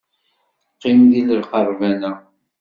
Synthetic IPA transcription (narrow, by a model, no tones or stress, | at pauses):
qːɪmðiləlqɑrˤvænæ